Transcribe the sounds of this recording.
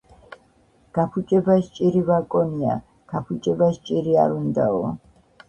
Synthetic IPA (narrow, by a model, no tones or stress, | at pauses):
ɡ̥apʰut͡ʃʼɛbaʃt͡ʃʼiɾivakʼɔnia̰ | ɡ̥apʰut͡ʃʼɛbaʃt͡ʃʼiɾia̰ɾund̪aɔ